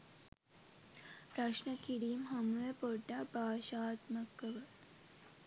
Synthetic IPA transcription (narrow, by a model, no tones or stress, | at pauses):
pɾɐʃnəkiɽiːmɦɐmujəpoɖːabaːʃaːt̪məkːəʋə